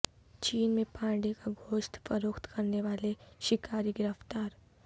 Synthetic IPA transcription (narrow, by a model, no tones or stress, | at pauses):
t͡ʃiːnmẽpãːɖekaɡʱoːʃt̪fəɾoːkt̪kɐɾneʋaːleʃɪkaːɾiɡɪɾəft̪aːɾ